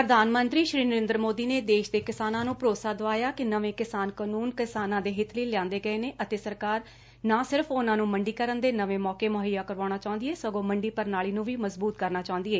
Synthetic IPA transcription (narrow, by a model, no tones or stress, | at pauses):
pɾəd̪ʱaːnmə̃nt̪ɾiːʃɾiːnəɾẽːnd̪ɾəmoːd̪iːneːd̪eːʃd̪eːkɪsaːnãːnũːpɾoːsaːd̪əʋaːjaːkɪnəʋẽːkɪsaːnkənuːnkɪsaːnãːd̪eːɦɪt̪ʰleːlɪãːnd̪eːɡəeːneːʔət̪eːsəɾkaːɾ | nãːsɪɾəfʰʊnãːnũːməɳɖiːkəɾənd̪eːnəʋẽːmɔːkeːmoɦəjaːkəɾʋaːɽ̃aːt͡ʃaːʊ̃nd̪ieːsəɡõːməɳɖiːpəɾnaːliːnũːʋiːməzbuːt̪̚kəɾnaːt͡ʃaːʊ̃nd̪ieː